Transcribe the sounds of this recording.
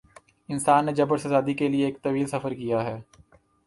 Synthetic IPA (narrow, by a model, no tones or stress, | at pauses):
ɪnsaːnːed͡ʒɐbəɾsɐzaːd̪ikelieːk̚t̪ɐʋiːlsɐfəɾkijaɦɛː